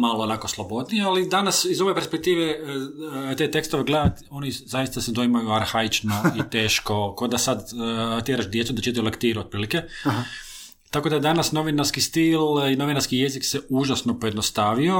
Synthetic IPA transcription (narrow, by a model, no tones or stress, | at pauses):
maloonakoslˠobo̞d̪nijealid̪anasizo̞ʋe̞peɾspek̚t̪iːʋe | t̪et̪e̞kst̪oʋeɡled̪at̪o̞nizajist̪ased̪oimajuaɾxait͡ʃno̞it̪eːʃko̞kod̪asad̪t̪ʲjeɾaʃd̪je̞t̪sud̪at͡ʃit̪ilekt̪iːɾuo̥pɾiːlike | t̪akod̪aed̪anasno̞ʋinaɾskist̪ilino̞ʋinaɾskije̞zikseuʒasnopo̞jed̪nost̪aːʋio̞